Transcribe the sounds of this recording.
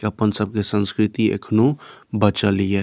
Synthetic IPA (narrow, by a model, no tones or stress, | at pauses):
əpənsəb̚kesə̃nskɾɪt̪iḛkʰnobət͡ʃalie